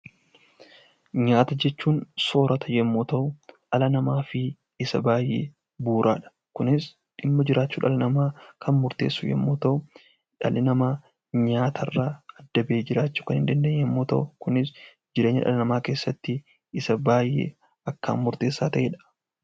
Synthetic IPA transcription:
ɲaːt̪ɐd͡ʒɛt͡ʃːuːnso̞ːɾɐt̪ʰɐjɛmːoːt̪ɐʔʊᶑɐlɐnɐmaːfɪ | ɪsɐbaːjːḛː | buːɾʔa̰ːᶑɐ̥ | kʊnɪs | ᶑɪmːɐd͡ʒɪɾʔaːt͡ʃːuːᶑɐlɐnɐmaːkʰɐnmʊɾt̪e̞̰ːsːʊjɛ̰mːoːt̪ɐʊ | ᶑɐ̰lɪnɐmaː | ɲaːt̪ʰɐrːaːɐd̪ːɐbeːd͡ʒɪɾaːt͡ʃːu̥ːkɐnhɪnd̪ɐnd̪eːɛmːoːt̪ɐ̰ʔʊkʊnɪs | d͡ʒɪɾeːɲːɐ̰ᶑɐ̰lɐnɐmaːke̞ːsːɐt̪ːɪ | sɐbaːjːḛː | ɐkːa̰ːnmʊɾt̪e̞ːsːaːt̪ɐʔeːᶑɐ̥

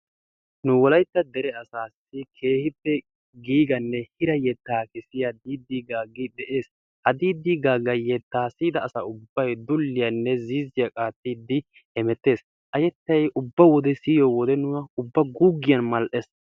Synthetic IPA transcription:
nʊwɔlɐjt̪ːɐd̪ɛɾɛɐsaːsːɪkʰe̞ːhɪpːɛ | ɡiːɡɐnːɛhɪɾɐjɛt̪ːaːkɪsɪjad̪iːd̪ːiːɡaːɡɪd̪ɛʔe̞ːs | hɐd̪iːd̪ːiːɡaːɡɐjɛt̪ːaːsiːd̪ɐːsaʊbːɐjd̪ʊlːɪjɐnːɛziːzɪjɐkʼaːt̪ːiːd̪ɪ | ɛmɛt̪ːe̞ːs | ʔɐjɛt̪ːɐjʔʊbːɐwɔd̪ɛsiːjɔwɔd̪ɛnʊɐʊbːɐɡuːɡːɪjɐnmɐlʔɛs

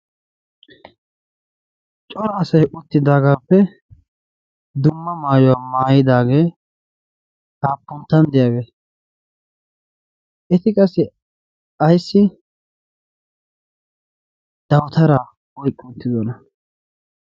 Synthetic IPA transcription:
t͡ʃʼɔɾɐɐsɐjʔʊt̪ːɪd̪aːɡaːpːɛ | d̪ʊmːɐmaːjɔwaːmaːjɪd̪aːɡeː | haːpːʊnt̪ːɐnd̪ɪjaːɡe | ʔɛt̪ɪkʼɐsːɪ | ɐjsːɪ | d̪̥ɐwt̪ɐɾa | ɔjkʼːʊnt̪ːɪd̪ɔnɐ

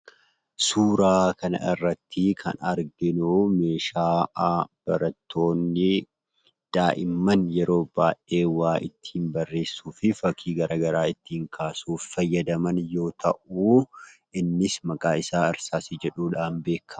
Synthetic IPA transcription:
suːɾaːkɐnɐ̰ɪrːɐt̪ːɪkʰɐ̰nɐɾɡɪnume̞ːʃaːʔb̥ɐɾɐt̪ʰːo̞ːnːɪ | d̪̥aːʔɪmːɐnjɛɾo̞ːb̥aːʔe̞ːwaːʔɪt̪ːi̥ːnbɐrːe̞ːsːuːfɪfɐkʰiːɡɐɾʔaːɡɐɾaːɪt̪ːiːŋkʰaːsuːffɐjːɐd̪ɐmɐnjo̞ːt̪ʰɐ̰ʔuːʔɪnːɪsmɐkʼaːɪsaːɪɾsaːsɪd͡ʒɛᶑuːᶑaːnbe̞ːkʰːɐ

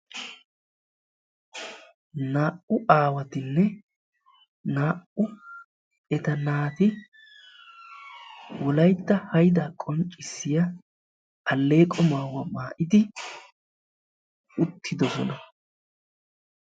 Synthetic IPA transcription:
naːʔʊʔaːwɐt̪ɪnːɛ | naːʔʊ | ɛt̪ɐnaːt̪ɪ | wɔlɐjt̪ːɐhɐjd̪akʼɔnt͡ʃʼɪsːɪjɐ | ʔːlːe̞ːkʼɔmaːwɐmaːʔɪd̪ɪ | ʊt̪ʰːɪd̪ɔsɔ̰nɐ

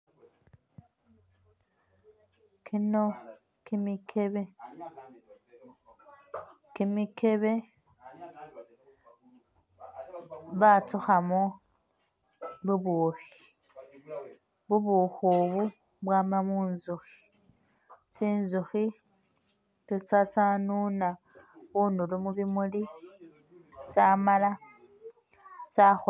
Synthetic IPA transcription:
kʰino | kimikʰeβe | kimikeβe | batuxamo | buboxi̥ | βuβuxuβu | βwaːmamuːnzuxi̥ | t͡ʃiːnzuxi | tut͡sat͡sanuna | βundulumuβimuli | t͡samala | t͡saxu

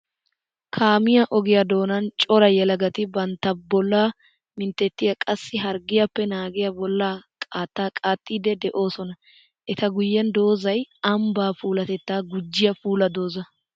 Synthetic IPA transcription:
kʰaːmɪjɐʔɔɡɪjɐd̪o̞ːnɐnt͡ʃʼɔɾɐjɛlɐɡɐt̪ɪbɐnt̪ːɐbɔlːaː | mɪnt̪ːɛt̪ːɪjɐkʼɐsːɪɦɐɾɡɪjɐpːɛnaːɡɪjɐbɔlːaːkʼaːt̪ːaːkʼaːt̪ʼːiːd̪ɛd̪ɛʔo̞ːsɔnɐ | ʔɛt̪ɐɡʊjːɛnd̪o̞ːzɐjɐmbaːfuːlɐt̪ɛt̪ːaːɡʊd͡ʒːɪjɐfuːlɐd̪o̞ːzɐ

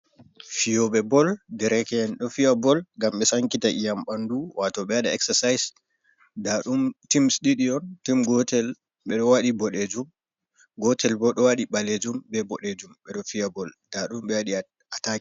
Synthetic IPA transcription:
fijɔɓɛbɔldɛɾɛkɛɛnɗɔfiabɔlɡamɓɛsaŋkitaʔijamɓanduwʔatɔɓɛaɗaɛksɛsajs | daɗumtimsɗiɗiɔntimɡɔtɛl | ɓɛɗɔwaɗibɔɗed͡ʒum | ɡɔtʰɛlbɔɗɔwaɗiɓaled͡ʒumbɛbɔɗed͡ʒumɓɛɗɔfiabɔld̥aɗumɓɛwaɗi | ataki

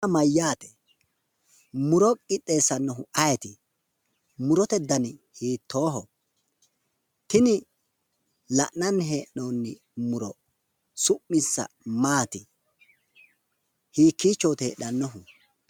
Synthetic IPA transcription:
mɐjːaːt̪ɛ̥ | mʊɾɔkʼɪt̪ʼːe̞ːsːɐnːɔɦʊɐjɛt̪ɪ | mʊɾɔt̪ɛd̪ɐnɪhiːt̪ʰːo̞ːɦɔ | t̪ɪnɪ | lɐʔnɐnːɦeːʔnoːnːɪ | mʊɾɔ | sʊʔːɪsːɐ̰ | maːt̪ɪ | hiːkːiːt͡ʃːoːt̪ḛːɐnːɔɦʊ

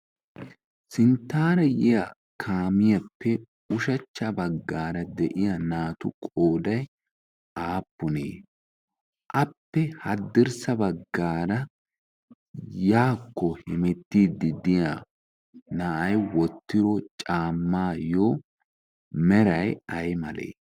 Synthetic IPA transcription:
sɪnt̪ːaːɾɐjɪja | kʰaːmɪjɐpːɛ | ʊʃɐt͡ʃːɐbɐɡːaːɾɐd̪ɛʔɪjɐnaːt̪ʊ̰kʼoːd̪ɐj | ʔaːpːʊnḛː | ʔɐpːɛhɐd̪ːɪɾsɐbɐɡːaːɾɐ | jaːkːɔhɪmɛt̪ːiːd̪ːɪd̪ɪja | naʔɐjwɔt̪ːɪɾɔt͡ʃʼaːmːaːjoː | mɛɾɐjɐjmɐlḛː

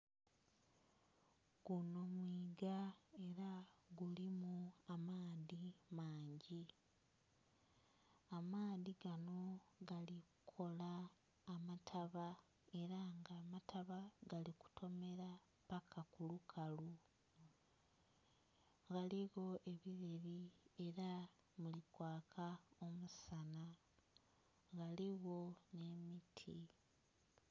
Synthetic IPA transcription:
ɡ̥uno̞mwiːɡae̞ɾaɡulimuamaːðimaːɲɟi | amaːðiɡano̞ɡalikukʰo̞laː | matʰaβa | e̞ɾaŋɡaːmatʰaβaɡaliku̥tʰo̞me̞ɾa | pakakulukʰalu | ɡaliɣo̞ʔe̞βiɾeβie̞ɾa | mulikwaːkʰao̞musana | ɡaliɣo̞ne̞mitʰi

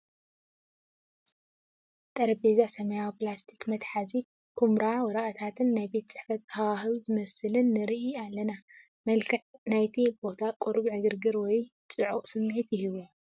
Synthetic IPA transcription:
t̪ʼɐɾɐbezasɐmɐjawiplast̪ʰi̥kmɐt̪ħazi | kʰumɾawɔɾɐʔɐt̪ʰat̪ʰɨnːajbe̞t̪sʼɨħfɐt̪̚awahɨβizɨmɐsɨlɨnːɨɾiʔialːɐna | mɐlkʰɨħnajt̪ʰib̥o̞t̪ʰakʼuɾbiʕɨɡɨɾɡɨɾwɔjt͡sʼɨʕuχʼsɨmːʕit̪jɪɦiβu

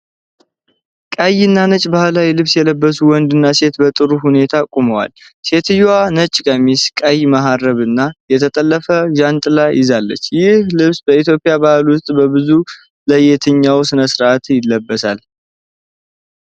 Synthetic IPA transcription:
kʼajɨnːanət͡ʃʼbahlajlɨβsjɛləbːəsuwɔnd̪ɨnːase̞t̪bət̪ʼɨɾuhune̞t̪ʰakʼuməwa̰lse̞t̪ʰɨjwanət͡ʃʼːkʼəmiskʼajmaɦarəβɨnːajɛt̪ʰət̪ʼəlːəfəʒant̪ʼlajɪzalːə̰t͡ʃːjɪhlɨβsbəit̪jo̞pʼːɪjabahlwʊst̪ʼbəbɨzu | ləjet̪ʰɨɲːawsɨnəsɾat̪ʰjɪlːəbːəsal

